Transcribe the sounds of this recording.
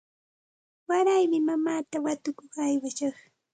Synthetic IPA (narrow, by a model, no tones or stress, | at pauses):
waɾajmɪmamaːt̪awat̪ʊkoχajwaʃɑχ